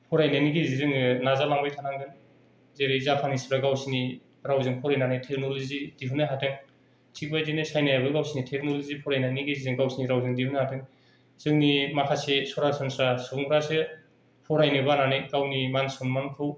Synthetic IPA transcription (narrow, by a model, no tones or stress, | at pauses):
pʰɔɾajnaniɡezizɯŋnazalaŋbajtʰanaŋdɯn | zeɾɯzapʰanispɾaɡawsini | ɾawzɯŋpʰɔɾajnanajtʰeknolizid̥iɦɯnɯɦatʰɯŋ | tʰik̚bajzinɯsajnajabɯɡawsinitʰek̚nolozipʰɔɾajnaniɡezizɯŋɡawsiniɾawzɯŋdihunahatʰɯŋ | z̥ɯŋnimakʰasesɔɾasɔnsasɔŋʰɾasɯ | pʰɔɾajnɯbananɯjɡawnimansɔnmanpʰɯw